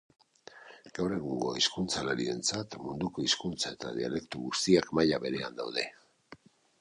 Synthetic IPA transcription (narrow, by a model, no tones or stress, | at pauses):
ɡ̥awre̞ɣuŋɡo̞̰iskunt͡salaɾie̞nt͡sat̪mund̪uko̞iskunt͡sae̞t̪aðia̰le̞kt̪uɣust̪iakmajaβe̞ɾe̞a̰nd̪awðe̞